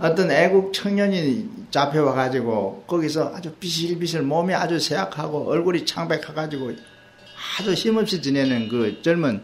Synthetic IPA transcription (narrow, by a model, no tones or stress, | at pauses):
ʌt͈ʌneɡuk̚t͡ɕʰʌŋɲʌɲi | t͡ɕapʰe̞waɡad͡ʑiɡokʌɡis̬ʰʌʔa̰d͡ʑupiɕ̬ʰiilbis̬ʰɯɭmomiad͡ʑusʰejakʰaɡoʔʌɭɡuɾit͡ɕʰaŋbekʰaɡad͡ʑiɡo | ad͡ʑuçimʌp̚ɕ͈it͡ɕinenɯnkɯt͡ɕʌɭmɯn